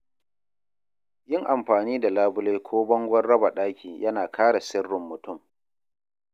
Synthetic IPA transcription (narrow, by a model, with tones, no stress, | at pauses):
jɪ˦ŋʔa˨mɸaː˨niː˦da˨laː˦bʊ˦leː˦kʷʰoː˦bɔ˦ŋɡʷɐ˦rːɐ˦ba˨ɗaː˦kʲiː˨jʔɐ˦naː˨kʰaː˦ɽa˨sɪ˦rːɪ˨mːʊ˨tʊ˦˨m